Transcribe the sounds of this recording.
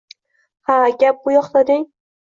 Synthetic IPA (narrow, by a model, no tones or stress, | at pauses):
haɡʲap̚qʊjɒχlad̪ɪŋ